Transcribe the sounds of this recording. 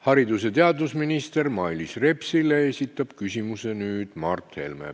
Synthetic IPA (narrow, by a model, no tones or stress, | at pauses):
hɑɾid̪use̞t̪e̞ɑd̪usminist̪e̞rmɑjlisre̞psileesʲit̪ːˑɑb̥kysʲimuse̞nyːd̪̥mɑrt̪he̞̰lmḛ